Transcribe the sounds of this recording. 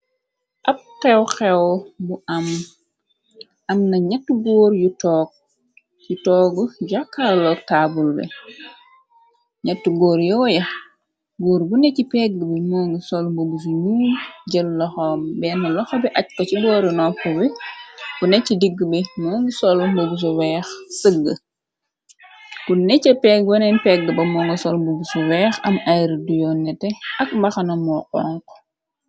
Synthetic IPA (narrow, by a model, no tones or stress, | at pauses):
ʔɐp̚qɛwxɛwbuʔɐm | ʔɐmnɐɲatːuɡɔːɾjutɔk̚ | jutɔɡuɟakːalɔk̚tabulbɛ̰ | ɲɐtːuɡɔːɾjɔːjɐx | ɡoːɾbunɛcipɛɡːəbɛmɔŋɡisɔlmbobus̬uɲuːmɟəlːɔxɔmbɛnːɐlɔxɔbɛʔɐc̚kɔcibɔːɾunɔkuwikunɛcidiɡːbɛmoːŋɡisɔlmbobus̬uwɛxsəɡːə | kunɛcɐpɛɡ̚wɐnɛnpɛɡ̚ɡəbɐmɔːŋɡɔsɔlmbubusuwɛːxɐmajɾdujɔnːɛtɛɐk̚bɐxɐnɐmɔqɔŋkɔ̥